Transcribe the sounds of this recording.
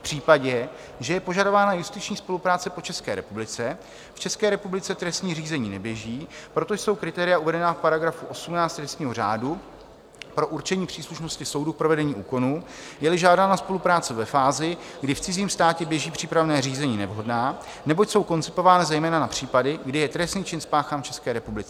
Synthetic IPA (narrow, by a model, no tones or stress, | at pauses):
fpr̥iːpaɟɛ | ʒɛjɛpo̞ʒado̞vaːnajust̪ɪt͡ʃɲiːspo̞lupɾaːt͡sɛpo̞t͡ʃɛskɛːɾɛpublɪt͡sɛ | ft͡ʃɛskɛːɾɛpublɪt͡sɛt̪ɾɛst̪ɲiːriːzɛɲiːnɛbjɛʒiːpɾo̞t̪o̞jso̞wkɾɪt̪ɛːɾɪjaʔuvɛdɛnafpaɾaɡɾafuʔo̞sumnaːt͡st̪ɾɛst̪ɲiːɦo̞r̝a̰ːdu | pɾo̞ʔuɾt͡ʃɛɲiːpr̥iːsluʃno̞scɪso̞wduk̚pɾo̞vɛdɛɲiːʔṵːko̞nuːjɛlɪʒaːdanaspo̞lupɾaːt͡sɪvɛfaːzɪɡdɪft͡sɪziːmst̪aːcɛbjɛʒiːpr̝̥iːpɾavnɛːriːzɛɲiːnɛvɦo̞dnaː | nɛbocso̞wko̞nt͡sɪpo̞vaːnɪzɛjmɛːnanapr̝̥iːpadɪɡdɪjɛt̪ɾɛst̪niːt͡ʃɪnspaːxaːmft͡ʃɛskɛːɾɛpublɪt͡sɛ